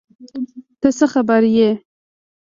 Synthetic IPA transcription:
t̪əsəxabaɾje

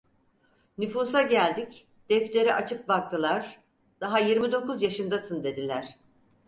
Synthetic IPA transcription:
nyfuːsaɟælʲd̪ic | d̪̥ɛft̪lʲeɾiʔat͡ʃʰɯp̚bak̚t̪ʰɯlˠaɾ̥ | d̪̥aɦajiɾmid̪o̞kuzjaʃɯnd̪asɯnd̪e̞d̪ilʲæɾ̝̥

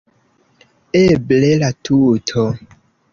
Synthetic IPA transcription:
eblelatʰutʰɔ

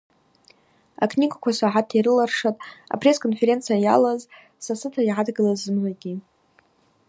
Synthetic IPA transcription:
a̰kʰniɡʷakʷasaʕatʰiɾɨlarʂatʼa̰pʰre̞skʰʼonfe̞ɾe̞nt͡sʰijaja̰laz | sasɨtʰaiʕadɡɨlazɨmʕʷaɡʲi

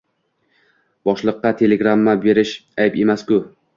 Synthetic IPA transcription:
bɒʃlˠɨqːɑt̪ʰe̞leɡɾamːabe̞ɾɪʃajpe̞maskʊ

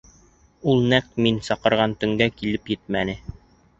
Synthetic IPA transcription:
ulˠnæk̚t̪minsɑqɤ̆ɾʁɑnt̪ɵ̆ŋɡækilɘpjɘt̪̚mænɘ

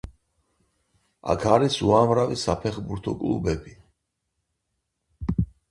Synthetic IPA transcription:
a̰kʰaɾisuamɾavisapʰɛχbuɾt̪ʰɔkʼlˠṵbɛbi

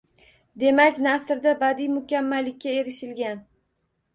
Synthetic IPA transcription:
d̪e̞makʲnasɪɾd̪abad̪ijmʊkʲamːalːɪkʲːae̞ɾɪʃɪlɡʲan

